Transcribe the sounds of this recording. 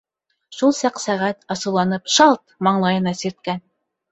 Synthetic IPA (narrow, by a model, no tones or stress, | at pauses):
ʃulˠsɑqsæʁæt̪ɑsɤ̆wlˠɑnɤpʃɑlˠt̪̚mɑɴlˠɑjɤ̆nɑsiɾt̪̚kæn